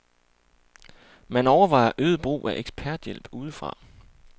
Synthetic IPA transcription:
mænɒʊɐʋɑ̈ɪ̰ɐʔøːð̞ˠb̥ʁṵːʔæʔeɡ̥sb̥ʰæɐd̥jel̰b̥uːð̞ˠəfʁɑ̰̈

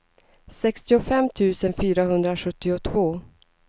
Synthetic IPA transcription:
sɛkst̪ɪʊfɛmːt̪ʰʉ̟ːsənfyːɾaɦɵnd̪ɾaɧɵt̪ːɪʊt̪ʰvoː

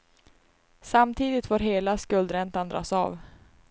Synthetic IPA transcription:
samt̪ʰiːd̪ɪt̪foːɾɦeːlaskɵld̪ɾɛnt̪and̪ɾɑ̰ːsɑ̰ːv

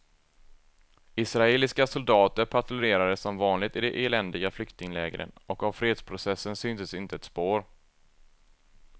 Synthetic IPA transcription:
ɪsɾaeːlɪskasʊld̪ɑːt̪əɾpʰat̪lɵɾeːɾad̪əsːɔmvɑːnlɪɡ̚t̪ɪd̪ɛʔeːlɛnd̪ɪɡaflʏkt̪ɪŋlɛ̰ːɡɾə̰nɔkavfɾeːd̪spʰɾʊsɛsːənsyːnt̪əsɪnt̪əɛt̪spoːɾ

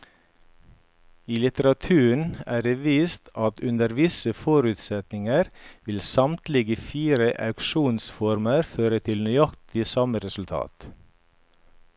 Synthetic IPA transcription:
iːlɪt̪əɾɑt̪ʰʉːɳæːɖeʋiːst̪ɑt̪ʉnd̪əɾʋɪsəfɔɾʉt̪sɛt̪nɪŋəɾʋɪlsɑmt̪lɪɡəfiːɾəʔɑ̰ʉkʃuːnsfɔɾməɾføːɾət̪ʰɪlnyɑkt̪ɪsɑməɾɛsʉlt̪ʰɑ̰ːt̪

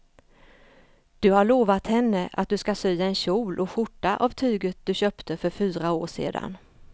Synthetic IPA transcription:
d̪̥ɵhaɭoːvat̪hɛnːəʔa̰t̪̚d̪ɵskasyjːaɛnɕuːlʔɔɧʊʈːaʔavt̪ʰyːɡət̪̚d̪̥ɵɕœːpt̪ʰəfœɾfyːɾaoːʂḛːd̪a̰n

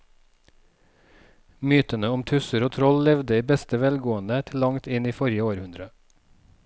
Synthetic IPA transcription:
myːt̪ənəʊmt̪ʰʉsəɾoːt̪ʰɾɔllɛʋd̪əiːbɛst̪əʋɛlɡoːənd̪ət̪ʰɪlɑŋt̪ɪniːfɔɾjəoːɾhʉnd̪ɾə

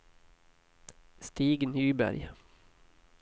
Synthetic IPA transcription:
st̪iːɡnhyːbæ̰ɾj

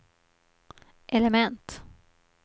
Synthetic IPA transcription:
ʔɛlɛmɛnt̪

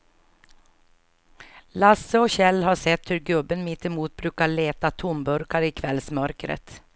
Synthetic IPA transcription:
lasːəɔɕɛlːɦaʂɛt̪ːhɵɾɡɵbːənmɪt̪ːɪmuːt̪̚bɾʉːkaɭeːt̪at̪ʰʊmbɵɾkaɾɪkʰvɛlsmœɾkɾə̰t̪

